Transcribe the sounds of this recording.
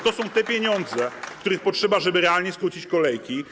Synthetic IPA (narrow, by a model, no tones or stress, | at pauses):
t̪ɔsɔ̃w̃t̪ɛpʲjeɲɔnd̪zɛk̚t̪uɾɘxpɔtʂɛbaʐɛbɘɾɛalɲɛskɾut͡ɕit͡ɕkɔlɛjkʲi